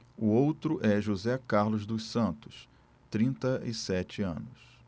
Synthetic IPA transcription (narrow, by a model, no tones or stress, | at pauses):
ʊowt̪ɾʊʔɛʒuzɛkaɾlʊzd̪ʊsɐ̃nt̪ʊ̥s | t̪ɾĩnt̪ɐɪsɛt͡ʃɪɐ̰̃nʊs